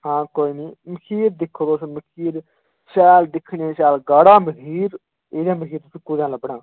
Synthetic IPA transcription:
hãːkoːiːniːməkʰiːɾd̪ɪkʰːoɾoːsməkʰiːɾ | ʃɛːld̪ɪkʰːɳeːʃɛːlɡaːɽaːməɡʱiːɾ | eːd̪ãːməkʰiːɾt̪ʊsĩːkʊɾãːləbɽãː

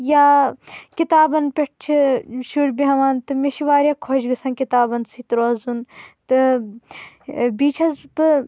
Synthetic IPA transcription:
jaːkit̪aːbɐnpʲeʈ̚t͡ʃʰiʃuɾʲbiɦɐʋaːnt̪ɨmeʃiʋaːɾʲjaːkʰɔʃɡɐsɐnkit̪aːbɐnsʰiːt̪ɾoːzunt̪ɨ | biːt͡ʃʰɐzbɨ

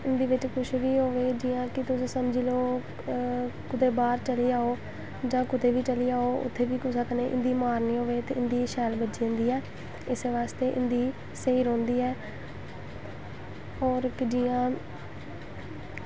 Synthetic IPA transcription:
ɪnd̪iːʋɪt͡ʃkʊʃʋiːɦoːʋeːd͡ʒiːãːkɪt̪ʊsĩːsəmd͡ʒiːloː | kʊt̪eːbaːɾt͡ʃəliːaːoː | d͡ʒãːkʊt̪eːʋiːt͡ʃəliːaːoːʔʊ̰t̪ʰːeːʋiːkʊsəkneːʔɪ̰nd̪iːmaːɾniːɦoːʋeːt̪ḛːɪnd̪iːʃɛːlbəd͡ʒiːʊ̃nd̪iːɛː | ɪseʋaːst̪eːʔɪ̰nd̪iː | seiːɾõːnd̪iːɛː | ɔːɾkɪd͡ʒiːãː

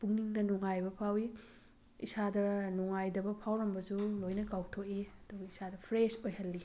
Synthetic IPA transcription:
puŋniŋnɐnuŋajbɐpʰawi | isadɐnuŋajdɐbɐpʰawlɐmbɐzulojnɐkawtʰokiɐduɡɐisadɐpʰɾesojɦɐlːi

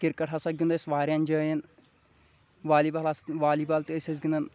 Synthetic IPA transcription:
kiɾkɐʈʰasɐɡʲund̪ɐsʋaːɾjanʲd͡ʒɐːjɐn | ʋaːlibaːlɐsʋaːliːbaːlt̪iəsʲɐs̬ɡʲind̪ɐn

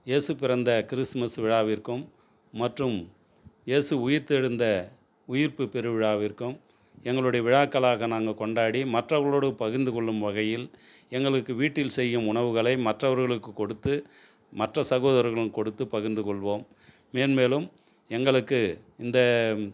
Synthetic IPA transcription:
jeːsɯpɪɾɐnd̪ɐkɪɾɪsmɐsʋɪɻaːʋɪɾkɯmː | ɐʈrɯm | jeːsɯʊjɪɾt̪ɛɻɯnd̪ɐ | ʊjɪɾpɯpɛɾɯʋɪɻaːʋɪɾkɯm | ɛŋɡɐɭɯɽɐjɐʋɪɻaːkːɐɭaːɣɐnaːŋɡɐkɔɳɖaːɽimɐʈrɐʋɐɭoːɽɯpɐɣɪɾnd̪ɯkɔɭːɯmʋɐɣɐjɪl | ɛŋɡɐɭɯkːɯʋiːʈːɪlsɛjːɯmʊɳɐʋɯɣɐɭɐɪmɐʈrɐʋɐɾɣɐɭɯkːɯkːɔɽɯt̪ːɯ | mɐʈrɐsɐɣoːðɐɾɐɾɣɐɭɯmkɔɽɯt̪ːɯpɐɣɯnd̪ɯkɔɭʋoːmː | eːnmeːlɯm | ɛŋɡɐɭɯkːɯɪnd̪ɐ

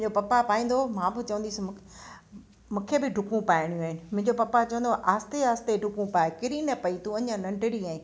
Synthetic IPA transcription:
ɲd͡ʑopɐpapaːĩːnd̪omãːbɪt͡ɕɐʋə̃nd̪is | mũːkʰebɪɖʱʊkũpaːɪɽ̃ijũaːɦɪnɪ̆mʊ̃ɦɪ̃ɲd͡ʑopɐpat͡ɕɐʋə̃nd̪oʔaːst̪eaːst̪eɖʱʊkũpaːekɪɾinɐpɐit̪ũɐɲãnɐ̃ɳɖɪɽiaːɪ̃

